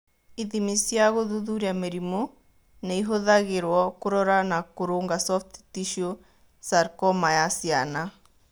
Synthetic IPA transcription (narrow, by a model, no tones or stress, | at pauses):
iðimisjaɣoðuðuɾiameɾimo | neiɦoðaɣeɾwɔkoɾɔɾanakoɾoŋɡasɔfttiʃio | saɾkɔmajasiana